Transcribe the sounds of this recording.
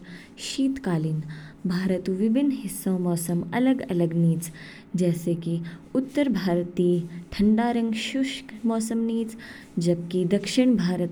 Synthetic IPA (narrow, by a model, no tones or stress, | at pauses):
ʃiːt̪kaːlinbʱaːɾət̪uʋibʱinːɦɪsːõːmɔːsɐmɐ̰ləɡɐləɡniːt͡s | d͡ʒɛːseːkiʊt̪ːəɾbʱaːɾt̪iːʈʰɐɳɖaːɾɐ̃ŋɡʃuʃkmɔːsəmniːt͡s | d͡ʒɐb̚kid̪ɐkʃɪɳ̃bʱaːɾət̪